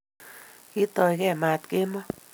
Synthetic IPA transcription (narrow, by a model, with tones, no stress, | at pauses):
ki˦t̪o˧˨jɣe˦˨ma˨t̪ke˦mo˦